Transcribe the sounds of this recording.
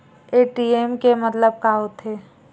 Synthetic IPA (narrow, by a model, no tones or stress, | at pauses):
eːʈiemkemɐt̪ləb̚kaːɦot̪ʰeː